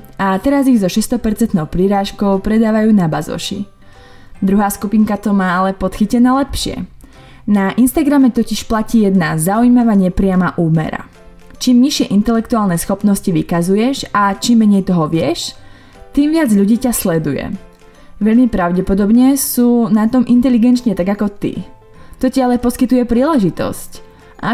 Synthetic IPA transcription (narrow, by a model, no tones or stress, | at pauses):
at̪ɛɾaziɣzɔʃɛst̪ɔpɛɾt͡sɛnt̪nɔʊpɾiɾaːʃkɔʊpɾɛd̪aːʋajuːnabazɔ̰ʃḭ | d̪ɾuɦaːskupiŋkat̪ɔmaːalɛpɔt̪xicɛnaːlɛpʃɪɛ̰ | naʔinst̪aɡɾamɛt̪ɔciʃplaciːjɛd̪nazaujimaʋaɲɛpɾɪamaʔuːmɛ̰ɾa̰ | t͡ʃiːmɲiʃɪɛʔint̪ɛlɛkt̪uaːlnɛsxɔpnɔsciʋikazujɛʃat͡ʃiːmːɛɲɛjt̪ɔɦɔʋɪɛʃ | t̪iːmʋɪad͡zʎuɟiːcaslɛd̪ujɛ̰ | ʋɛʎmipɾaʊɟɛpɔd̪ɔbɲɛsuːnat̪ɔmʔint̪ɛliɡɛnt͡ʃɲɛt̪aɡakɔt̪ḭ | t̪ɔcialɛpɔskit̪ujɛpɾiːlɛʒit̪ɔ̰sc | ʔa